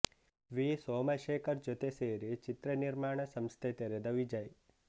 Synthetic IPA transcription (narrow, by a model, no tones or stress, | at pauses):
ʋisoːmɐʃeːkɐɾd͡ʒot̪eseːɾet͡ʃɪt̪ɾəniɾmaːɳ̃ɐsɐmst̪ʰet̪ɐɾed̪ɐʋid͡ʒaj